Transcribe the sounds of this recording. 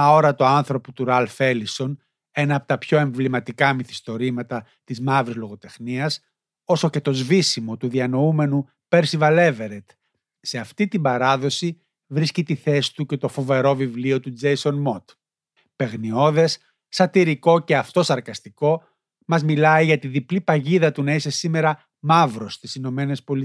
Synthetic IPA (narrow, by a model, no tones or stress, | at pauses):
ɐo̞ɾɐt̪oɐnθɾo̞pot̪uɾɐlfe̞liso̞n | e̞nɐːpot̪ɐpço̞e̞ɱvlimɐt̪ikɐmiθi̥st̪o̞ɾimɐt̪ɐ | t̪izmɐvɾizlo̞ɣo̞t̪e̞xniɐs | o̞so̞ce̞t̪o̞zvisimo̞t̪uðiɐno̞ume̞nu | peɾsivɐle̞ve̞ɾet̪ | se̞ɐft̪it̪imbɐɾɐðo̞si | vɾiscit̪iθe̞si̥t̪uce̞t̪o̞fo̞ve̞ɾo̞vivlio̞t̪ud͡ze̞jso̞nmo̞t̪ | pe̞ɣnio̞ðe̞sː | ɐt̪iɾiko̞ce̞ɐft̪o̞sɐɾkɐst̪iko̞ | mɐzmilɐiʝɐt̪iðiplipɐʝiðɐt̪unɐise̞sime̞ɾɐ | mɐvɾo̞st̪isino̞me̞ne̞spo̞li